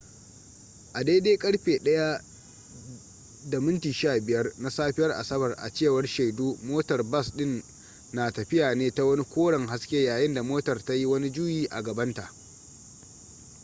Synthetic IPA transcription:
ʔa˨deː˦deː˦kʼɐ˦ɽɸeː˨ɗɐ˦ja˦ | da˨mɪ˦ntiː˨ʃaː˦˨bɪ˨jɐ˦rna˦saː˦ɸɪ˦jɐ˦rʔa̰˨sɐ˦bɐ˨rʔa̰˨t͡ʃeː˦˨wɐ˦rʃa˨jduː˦moː˦tɐ˨rbɐ˦sɗɪ˦nː | aː˨tɐ˨ɸɪ˦jaː˨neː˦ta˦wɐ˦ni˦kʷoː˦ɽɐ˨ŋɦa˦skʲeː˦jaː˨jɪ˦nda˨moː˦tɐ˨rta˦ji˦wɐ˦ni˦d͡ʒʊː˦jiː˦ʔa̰˨ɡɐ˨bɐ˦nta˨ʔ

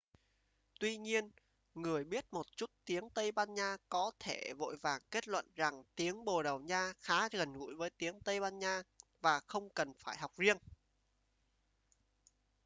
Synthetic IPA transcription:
t̪wi˧ɲi˧ən | ŋɨ˨˩əjɓi˦˥ət̚mo˨˩t̚t͡ɕu˦˥t̚t̪i˨˦əŋt̪ə˧jɓaː˧nɲaː˧kɔ˨˦t̪ʰe˧˩vo̰˧˨jvaː˨˩ŋke˦˥t̚lwə̰˧˨nza˨˩ŋt̪i˨˦əŋɓo˨˩ɗə˨˩wɲaː˧xaː˨˦ɣə˨˩nŋṵ˧˥˩jvəː˨˦jt̪i˨˦əŋt̪ə˧jɓaː˧nɲaː˧vaː˨˩xə˧wŋ͡mkə˨˩nfaː˧˩jɦwk͡p̚zi˧ən

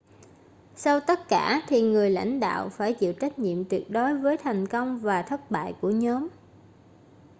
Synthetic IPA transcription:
sa˧wt̪ə˦˥t̚kaː˧˩t̪ʰi˨˩ŋɨ˨˩əjla̰˧˥jŋ̟ɗa̰ː˧˨wfaː˧˩jt͡ɕḭ˧˨wt͡ɕa˦˥k̟̚ɲḭ˧˨əmt̪wi˨˩ək̚ɗo˨˦jvəː˨˦jt̪ʰa˨˩jŋ̟kə˧wŋ͡mvaː˨˩t̪ʰə˦˥t̚ɓa̰ː˧˨jku˧˩əɲɔ˨˦m

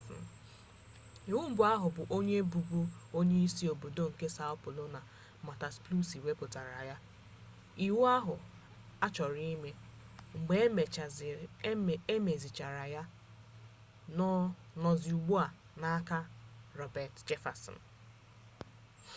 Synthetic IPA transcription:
i˨wu˦m̩˦bʊ˨a˦ɦʊ˨bʊ˨ʔo˦ɲe˦bu˨ɡʷu˦o˦ɲe˦i˦si˦o˨bo˨do˦ŋ̩˨ke˦sa˦ɔ˦pʊ˨lo˦na˨ | ma˨ta˨splu˦si˨we˦pʊ˨ta˨ɾa̰˨ja˦ | i˨wu˦a˦ɦʊ˨ | a˦t͡ʃɔ˨ɾi˦i˦me˦ | ŋ͡m̩˨ɡ͡be˨e˦me˨t͡ʃa˨zɪ˨˦˨ | e˦me˨zɪ˨t͡ʃa˨ɾa˨ja˦ | nɔ˦ | nɔ˨zɪ˨u˨ɡ͡bo˦a˨ | na˨˦ka˦ɾɔ˨bɛ˨td͡ʒe˦fa˨sɔ̰˨n̩˨

